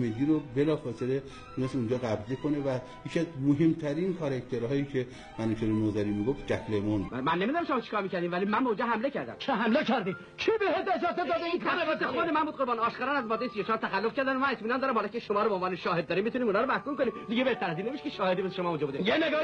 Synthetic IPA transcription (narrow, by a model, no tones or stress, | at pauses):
med̪iːɾobelɒːfɒːsele | unesund͡ʒɒːɣæbzekʰonevæ | jecʰiæzmoɦemt̪ʰæɾinkʰɒɾekt̪ʰeɾɦɒːjiːkʰe | mænuʃʰeɾenozæɾiːmiɡofd͡ʒæklemonmænːemid̪unæmʃomɑːt͡ʃʰi̥kɒːɾmiːcʰæɾd̪iːmvælimːænbeũnd͡ʒɒːɦæmlecʰæɾd̪æ̰mt͡ʃʰeɦæmlekʰæɾd̪i | t͡ʃʰebehet̪esɑsed̪ɒːd̪einkʰːt̪ːexod̪emænbuːd̪̚ʁoɾbɒːnɒːʃkɒːɾɑnæzmɒːd̪ːejesijot͡ʃʰɒːɾt̪ʰæxælːofcʰæɾd̪ænmænet̪ʰmiːnɒːnd̪ɒːɾæmhɑlɑːcʰeʃomɒːɾobeonvɒːneʃɒːɦed̪̚ːɒːɾimːit̪uniːmunɒːɾomæhkumkoniːmd̪iɟebeht̪ʰæɾæzinːemiʃe̥kʰeʃɒːhed̪imeseʃomɒːund͡ʒɔbud̪ijeneɡ